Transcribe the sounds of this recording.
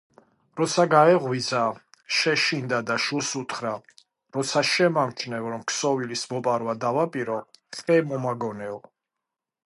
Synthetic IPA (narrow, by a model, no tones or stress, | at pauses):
ɾɔt̪sʰaɡaɛʁwiza | ʃɛʃind̪ad̪aʃusut̪ʰχɾa | ɾɔt̪sʰaʃɛmamt͡ʃʰnɛvɾɔmksɔvilismɔpʼaɾwad̪avapʼiɾɔɛmɔmaɡɔnɛɔ